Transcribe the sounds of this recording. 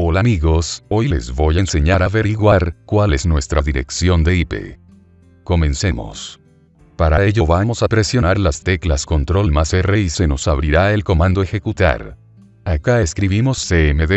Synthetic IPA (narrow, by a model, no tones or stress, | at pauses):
o̞lamiɣo̞so̞jle̞̰zβo̞janse̞ɲaɾaβe̞ɾiɣwaɾkwale̞snwe̞st̪ɾaðiɾe̞̰ksjo̞nd̪e̞ipe̞̰ | ko̞mẽ̞nse̞mo̞̰s | paɾae̞ʎo̞βamo̞sapɾe̞sjo̞naɾlast̪e̞klaskont̪ɾo̞lmasere̞ise̞no̞saβɾiɾae̞lko̞mãnd̪oexe̞kut̪a̰ɾ | akaeskɾiβimo̞sːeemeðe